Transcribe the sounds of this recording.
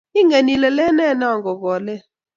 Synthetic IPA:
i˦ŋe˨ni˨lɛ˨lɛ˦nɛ˦˨na˦˨ŋɡɔ˨k̬ɔː˨lɛ˦

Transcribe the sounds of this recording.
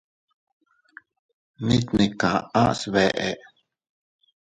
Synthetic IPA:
ni˦t̪ni˨kã̰˨ã˦ʔsβɛ˨ʔe˨ʔ

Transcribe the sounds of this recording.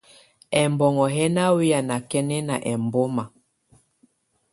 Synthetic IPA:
ɛ˨mbɔ˨ŋɔ˨ɦɛ˦na˦wi˦a˨na˨kɛ˦nɛ˦na˨ʔɛ˨mbo˦ma˨

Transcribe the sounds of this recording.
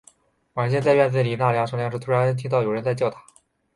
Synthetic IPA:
wa˨˩˥ɕjɛ˥˧nt͡sa˥˧ɪɥɛ˥˧nt͡sɹ̩˥˩li˨˩na˥˩ljɑ˥ŋʂɤ˥˧ŋljɑ˥˧ŋʂɻ̩˥˩t̪ʰu˥ɻa˧˥nt̪ʰi˥t̪̬ɑ˥˩ʊjʊɻə˧˥nt͡sa˥˧ɪt͡ɕɑ˥˧ʊt̪ʰa˥˩

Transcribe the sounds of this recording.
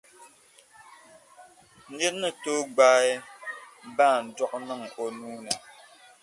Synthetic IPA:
n̩˦dɛ˦tnːə˦toː˦ɡ͡baː˦ɛ˦ | ba˦˨dɔ˦k̚nɨ˦ŋi˨ʔo˨nuː˦nɨ˨

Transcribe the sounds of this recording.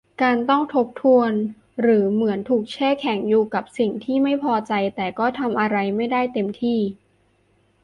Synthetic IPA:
kaː˧nt̪ɔ˥˩ŋt̪ʰo˦˥p̚t̪ʰu˧ən | ɾɯː˩˦mɯ˩˦ənt̪ʰuː˨˩k̚t͡ɕʰɛː˥˩kʰɛ˩˦ŋjuː˨˩ka˨˩p̚si˨˩ŋt̪ʰiː˥˩ma˥˩jpʰɔː˧t͡ɕa˧jt̪ɛː˨˩kɔː˥˩t̪ʰa˧mʔa˧ɾa˧jma˥˩jdaː˥˩jt̪e˧mt̪ʰiː˥˩

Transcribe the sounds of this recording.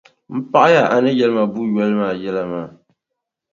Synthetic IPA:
m̩˦pa˦ʔa˦ja˦˨a˨nɨ˦jɛ˦lɨ˦ma˨bu˦jɛ˦lɨ˦maː˦˨jɛ˦la˦maː˦˨

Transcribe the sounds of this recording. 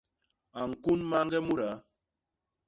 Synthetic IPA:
a˨ŋ̩˨ku˦nma˦ŋ˦ɡɛ˦mu˦ɾa˨˦

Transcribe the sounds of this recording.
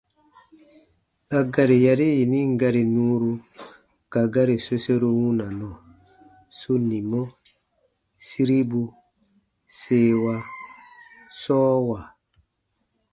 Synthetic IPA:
a˨ɡa˨ɾi˨ja˨ɾi˦ji˨ni˦ŋ˦ɡa˦ɾi˨nũ˦ɾu˦ | ka˨ɡa˦ɾi˨so˦se˦ɾo˦wu˦na˨nɔ˨ | so˦ni˨mɔ˦ | si˦ɾi˦bu˦ | se˦wa˦ | sɔː˦wa˨

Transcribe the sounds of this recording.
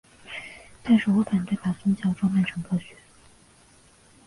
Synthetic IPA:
t̪a˥˧nʂɻ̩˥˩wɔ˧˥ka˨˩nt̪we˥˩pa˨˩sʊ˥ŋt͡ɕjɑ˥˩ʊʈ͡ʂo˥mjɛ˥˩nʈ͡ʂʰɤ˧˥ŋkɕɥɛ˧˥

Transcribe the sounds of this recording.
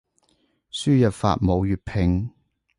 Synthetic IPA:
syː˥jɐ˨t̚fa̰ː˨t̚mo˨˧wjyː˨t̚pʰɪ˨ŋ

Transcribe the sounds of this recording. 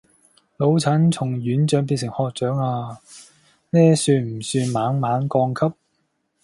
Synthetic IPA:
lo˨˧˥wt͡sʰɐ˨˥nt͡sʰʊ˨˩ŋjyː˨˥nt͡ʃœː˨˥ŋpiː˧nsɪ˨˩ŋhɔː˧k̚t͡ʃœː˨˥ŋaː˧ | nɛː˥syː˧nm̩˨˩syː˧nmaː˨˥ŋmaː˨˥nkɔː˧ŋkʰɐ˥p̚

